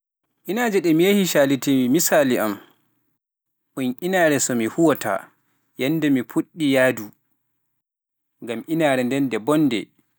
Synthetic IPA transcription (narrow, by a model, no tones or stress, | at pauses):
ʔinaːd͡ʒɛɗɛmijahiʃalitimimisaːliʔam | ɓunʔinaːɾɛsɔmihuwɔtʰa̰ | jɛndɛmipʰuɗːijaːdu | ŋɡamʔinaːɾɛndɛndɛbɔnːdɛ̰